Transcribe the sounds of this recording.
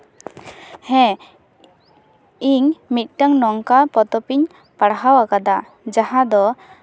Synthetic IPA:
hɛ̃ | iŋmit̪̚ˀʈaŋnɔŋkapɔt̪ɔpiɲ | paɽɦawakad̪a | d͡ʒaɦad̪ɔ

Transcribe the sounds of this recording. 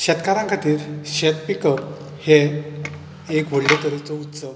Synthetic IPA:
ɕɛt̪kaɾãŋkʰat̪iːɾɕet̪pikəp | he | ekʋoɽlet̪əɾit͡sɔut̪sə

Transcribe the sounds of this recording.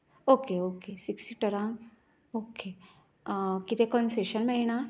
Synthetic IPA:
okeokesiksiʈəɾãŋɡ | oke | kit̪ekɔnseɕənmeɭiɳa

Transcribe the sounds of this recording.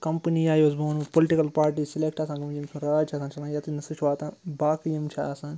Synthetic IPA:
kɐmpniaːjosboːnpolɪʈikɐlpaːɾʈiːsɪleːk̚ʈaːsãːkɐmjimsʰũːɾaːd͡ʒt͡ʃʰaːsãːnt͡ʃʰɐlãːjat̪inɐsut͡ʃʰʋaːt̪ãːbaːkjimt͡ʃʰaaːsãːn

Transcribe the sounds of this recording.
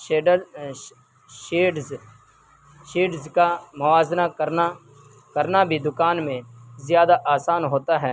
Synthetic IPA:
eːɖə | ʃeːɖ | ʃeːɖzkamʊʋaːznakəɾa | kəɾnabʱid̪ʊkaːnmẽzɪjaːd̪aʔaːsaːnɦoːt̪aɦɛː

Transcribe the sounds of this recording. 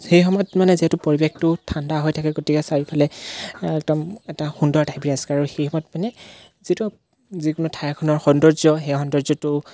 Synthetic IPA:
xejxɔmɔjɔtmanɛziɦɛtʊpoɹibɛk̚tʊtʰandaɦojtʰakɛɡotikɛsaɹipʰalɛɛk̚dɔmɛtaxundɔɹtajbiɹiasɛ̥kaɹuxejxɔmɔjtmanɛ | zitu | zikʊnʊtʰajakʰɔnɔɹxɔndɔɹzɔɦɛxɔndɔɹzɔtʊ

